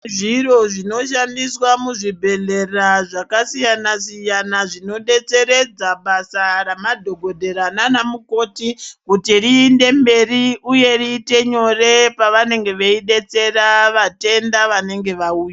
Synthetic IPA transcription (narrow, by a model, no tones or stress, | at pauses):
ʐiro̞ʐino̞ʃandiswamuʐibʱe̞ɮe̞raʐakasijanasijanaʐino̞ɗe̞t͡se̞ɾe̞d͡zaɓasaɾamadʱo̞ɡʱodʱe̞ɾananamuko̞ːtikutiɾiːnde̞mbe̞riuje̞riːte̞ɲo̞re̞paʋane̞ŋɡe̞ʋeiɗe̞t͡se̞raʋate̞ndaʋane̞ŋɡe̞ʋauːja